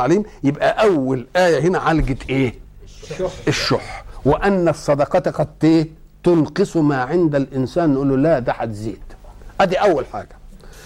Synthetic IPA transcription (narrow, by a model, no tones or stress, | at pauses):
ʕaliːmjɪbʔæʔæwːælʔæːjæɦɪnæʕalɡɪt̪ʔeː | ʔɪʃːoːħwɪʔænːæsˤːɑd̪ɑqɑt̪qɑd̪t̪eː | t̪ʊlqɨsˤumaːʕɪnd̪ælʔɪnsæːnːʔuːlːulæd̪aħat̪zḛːd̪̥ʔæd̪iʔæwːælħa̰ːɡ̥æ̥